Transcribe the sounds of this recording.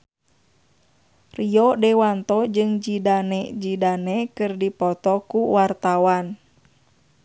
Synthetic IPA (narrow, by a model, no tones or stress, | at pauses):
riɔdɛwant̪ɔd͡ʒɨŋd͡ʒidanɛd͡ʒidanɛkɨrdipɔt̪ɔkuwart̪awan